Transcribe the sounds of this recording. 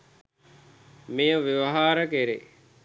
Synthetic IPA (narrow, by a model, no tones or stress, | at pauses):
mijəʋiʋɐɦaːɾəkeɾḛ